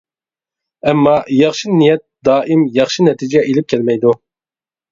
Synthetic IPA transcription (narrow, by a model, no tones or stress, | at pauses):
ɛmːɑjɑχʃɨnijɛt̪̚d̪ɑːʔimjɑχʃinɛt̪ʰid͡ʒɛʔelɪp̚kʲʰɛlmɛjd̪u